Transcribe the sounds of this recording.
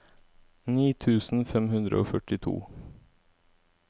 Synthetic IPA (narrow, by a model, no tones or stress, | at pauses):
niːt̪ʰʉːsn̩fɛmhʉnd̪ɾə̰o̰ːfœʈɪt̪ʰṵː